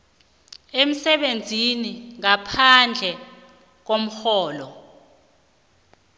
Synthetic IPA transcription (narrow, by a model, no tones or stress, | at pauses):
em̩sɛɓend͡zʱiniŋapʰand͡ɮʱɛ | k̬om̩xɔːlɔ